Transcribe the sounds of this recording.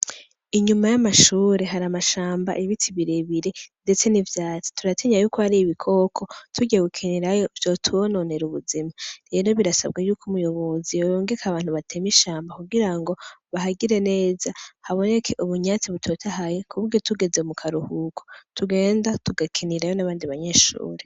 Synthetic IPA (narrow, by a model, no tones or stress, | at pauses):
iɲumajamaʃuːɾe̞ɦaɾamaʃaːmba̰ʔiβitiβiɾeβiɾe̞nde̞t͡se̞nivjaːt͡si̥tuɾatʰeɲajuːkohaɾiβikʰo̞kʰo̞tʰuɟeɡukʰiniɾajovjo̞tʰuono̞ne̞ɾuβuzimaɾenoβiɾasa̰bɡajuːkʰumujo̞βo̞zijojoːŋɡekʰaβaːn̥huβatʰe̞miʃaːmbakuɡiɾaŋɡo̞βaɦaɡiɾe̞ne̞ːzahaβo̞ne̞kʰe̞ʔuβuɲaːt͡siβutʰo̞tʰahajekʰuβuɾɡotuɡe̞zemukʰaɾuhuːkʰotuɡe̞ːndatuɡakʰiniɾajo̞naβaːndiβaɲe̞ːʃṵːɾe